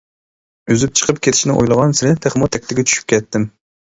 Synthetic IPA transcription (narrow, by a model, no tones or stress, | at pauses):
øzyp̚t͡ʃʰə̥qʰəpkʲʰet̪ʰɪ̥ʃnɪʔo̰jlˠəʁɑnsɪɾɪt̪ʰeχmʊt̪ʰɛkʲt̪ɪɡʲɛt͡ʃʰy̥ʃy̥p̚kʲʰɛt̪ːɪm